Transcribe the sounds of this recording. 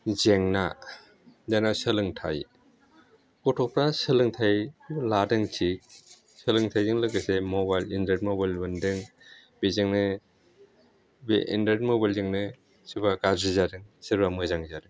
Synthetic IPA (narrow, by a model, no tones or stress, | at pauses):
zeŋna | danasɯlɯŋtʰa̰j | kɔtʰɔpʰɾasɯlɯŋtʰajuladɯŋtʰik̚ | sɯlɯŋtʰajdɯŋlɯkɯsemɔbajlindet̚mobajlbɯndɯŋ | bezɯŋnɯ | beʔḭndaɾtmobajlzɯŋnɯ | sɯbakazizadɯŋsiɾbamɯzaŋzadɯ